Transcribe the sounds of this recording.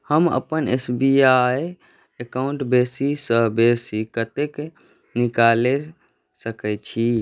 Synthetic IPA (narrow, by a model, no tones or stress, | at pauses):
həmə̰pənesbiaj | ekaũɳʈbesisəɦbesikət̪ek | nikale | səkɛt͡ʃʰi